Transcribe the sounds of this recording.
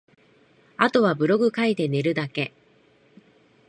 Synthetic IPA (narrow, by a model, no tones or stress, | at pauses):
at̪o̞βabɯ̟ɾo̞ɡɯ̟kait̪e̞ne̞ɾɯ̟d̪ake̞